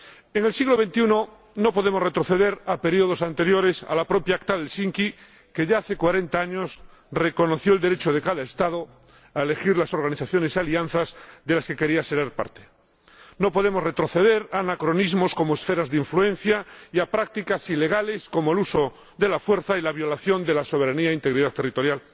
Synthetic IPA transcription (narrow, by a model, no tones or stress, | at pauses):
eŋe̞lsiɣlo̞β̞e̞nt̪iuno | no̞poðe̞moret̪ɾo̞θe̞ðe̞ɾape̞ɾio̞ð̞o̞sant̪e̞ɾjo̞ɾe̞sa̰lapɾo̞pjaakt̪aðe̞lsiŋki | ke̞ʝaaθe̞kwaɾe̞nt̪aaɲos | re̞ko̞no̞θjo̞eld̪eɾe̞t͡ʃoð̞ekaðaest̪að̞o | aele̞xiɾlaso̞ɾɣaniθaθjo̞ne̞sealian̟θazðe̞laske̞ke̞ɾiaseɾeaɾpa̰ɾt̪e | no̞po̞ðe̞mo̞zre̞t̪ɾo̞θe̞ðe̞ɾanakɾo̞nizmo̞sko̞moesfe̞ɾazðeiɱflue̞n̟θjaiapɾak̚t̪ikasile̞ɣ̞ale̞sko̞moeluso̞ | ðe̞lafwe̞ɾθailaβjo̞laθjo̞nd̪e̞laso̞βeɾaniaeint̪e̞ɣɾiðat̪e̞rit̪o̞ɾjal